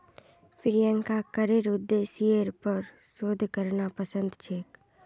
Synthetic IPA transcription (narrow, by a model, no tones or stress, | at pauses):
fʰɪɾjə̃ŋkakəɾeɾʊd̪ːeːsieɾpəɾ | soːd̪ʱkəɾnapəsə̃nd̪t͡ʃʰeːk